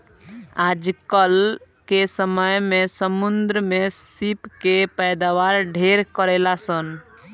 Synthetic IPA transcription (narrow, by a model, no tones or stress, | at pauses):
ad͡ʒkəl | kesəməjmesəmund̪ɾəmesipkepəjd̪aʋaɾɖʱeɾkəɾelasən